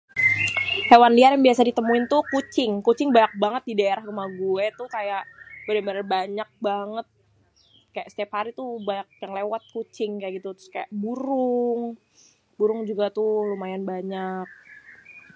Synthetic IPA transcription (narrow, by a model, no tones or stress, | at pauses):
hewanliarjaŋbiasadit̪əmuɪnt̪ukut͡ʃɪŋkut͡ʃɪŋbaɲak̚baŋət̪̚didaeɾahkəmaɡuɛt̪ukajaʔbəɾɛməɾəbaɲak̚baŋət̪̚ | kajaʔst̪iaphaɾit̪ubaɲak̚jaŋlewat̪̚kut͡ʃɪŋkajaʔɡit̪ut̪ɾʊ̥skaja̰ʔbuɾʊŋ | buɾʊŋd͡ʒuɡat̪ʊlumajanbaɲak̚